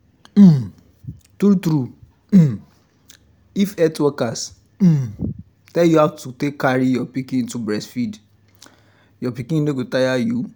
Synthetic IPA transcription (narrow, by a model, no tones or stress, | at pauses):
m̩m | tɾutɾu | ifɛtwɛkas̩ | tɛljuhatutekːaɾijɔpikĩĩntubɹɛsfid | jɔpikĩĩnoɡotajaju